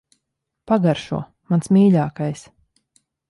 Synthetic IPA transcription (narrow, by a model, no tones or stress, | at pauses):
paɡaɾʃṵɔ | mansmʲiːʎʲaːkajs